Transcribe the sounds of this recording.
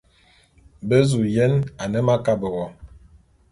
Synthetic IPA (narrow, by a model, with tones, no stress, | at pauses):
bə˦zu˨jɛ˦na˨nə˦ma˦ka˦bə˨ɣɔ˨